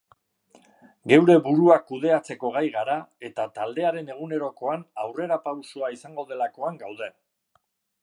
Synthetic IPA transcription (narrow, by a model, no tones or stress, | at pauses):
ɡe̞wɾe̞βuɾuakuð̞e̞at͡se̞ko̞ɣ̞ajɣaɾae̞t̪at̪ald̪e̞aɾe̞ne̞ɣ̞une̞ɾo̞ko̞anawre̞ɾapawsoaisaŋɡo̞ð̞e̞lako̞aŋɡawð̞e̞